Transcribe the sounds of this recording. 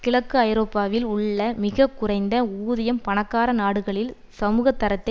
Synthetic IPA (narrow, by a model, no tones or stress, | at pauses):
kɪɭɐkːɯɐjɪɾoːpːaːʋɪlʊɭːɐmɪɣɐkːʊrɐɪnd̪ɐuːðɐjɐmpɐɳɐkːaːɾɐnaːɽɯɣɐɭɪl | sɐmuːɣɐt̪ːɐɾɐt̪ːɐ